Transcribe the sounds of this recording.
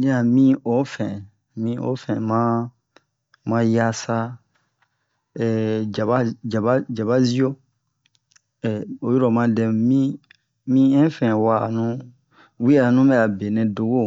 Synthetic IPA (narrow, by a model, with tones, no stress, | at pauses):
nĩ˦a˨mĩ˦o˨˦fɛ̃˨ | mĩ˧o̰˨˦fɛ̃˨mã˦ | mã˦ja˦sa˦ | ɛ˨d͡ʒa˨ba˦d͡ʒa˨ba˦d͡ʒa˨βa˦zi˦o˦ | ɛ˨o˨˦ju˦ɾɔ˨mã˧dɛ˨m˨mĩ˦ | mĩ˦ɛ̃˦fɛ̃˨wa˨nũ˦ | wi˦a˦˨nũ˦bɛ˦a˨be˨nɛ̃˨do˨ɡo˦˨